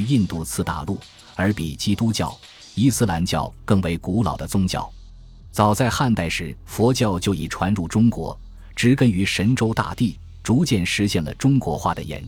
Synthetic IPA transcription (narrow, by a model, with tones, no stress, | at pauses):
i˥˧nt̪u˥˧t͡sʰɹ̩˥˩t̪a̰˨˩lu˥˩ | ə˞˧˥pi˨˩t͡ɕi˥t̪u˥t͡ɕjɑ̰˥˩ʊ | i˥˧sɹ̩˥la˧˥nt͡ɕjɑ̰˥˩ʊkɤ˥˩ŋwe˧˥ɪku˧˥lɑ̰˨˩ʊd̪ə˦t͡sʊ˥ŋt͡ɕjɑ̰˥˩ʊ | t͡sɑ˨˩ʊt͡sa˥˧ɪxa˥˧nt̪a˥˩ɪʂɻ̩˧˥fwɔ˧˥t͡ɕjɑ˥˧ʊt͡ɕjo˥˩ʊḭ˨˩ʈ͡ʂʰwa˧˥nɻu˥˩ʈ͡ʂʊ˥ŋkwɔ̰˧˥ | ʈ͡ʂɻ̩˧˥kə˥ny˧˥ʂə˧˥nʈ͡ʂo˥ʊt̪a̰˥˧t̪i˥˩ | ʈ͡ʂu˧˥t͡ɕjɛ˥˩nʂɻ̩˧˥ɕjɛ˥˩nlə̰˩ʈ͡ʂʊ˥ŋkwɔ˧˥xwa̰˥˩d̪ə̰˩jɛ̰˧˥n